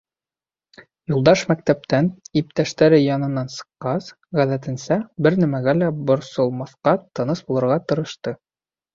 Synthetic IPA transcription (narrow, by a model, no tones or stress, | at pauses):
julˠd̪ɑʃmæk̚t̪æp̚t̪ænip̚t̪æʃt̪æɾɘjɑnɤ̆nːɑnsɤ̥̆qːɑs | ʁæðæt̪ɘ̆nsæbɘɾnæmæɡælæbŏɾsolˠmɑθqɑt̪ːɤ̆nɤsbulˠɤ̆ɾʁɑt̪ɤ̆ɾɤ̆ʃt̪ɤ